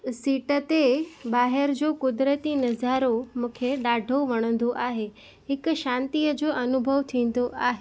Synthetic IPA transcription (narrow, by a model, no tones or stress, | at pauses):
siːʈət̪eɓaːɦɪɾd͡ʑokʊd̪ɾət̪inɐzaːɾomũːkʰeɗaːɖʱoʋɐɽ̃ə̃n̆d̪oʔaːɦe | ɦɪkʃãːnt̪ijəd͡ʑoːʔɐnʊbʱəʋt̪ʰĩːn̆d̪oʔaːɦe